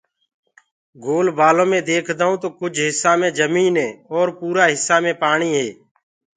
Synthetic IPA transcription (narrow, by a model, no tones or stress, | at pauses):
ɡoːlbaːlõːmẽːd̪eːkʰd̪aːɦũːt̪oːkʊd͡ʒʱɦɪsːaːmẽːd͡ʒəmiːnɦẽːɔːɾpuːɾaːɦɪsːaːmẽːpaːɳiːɦeː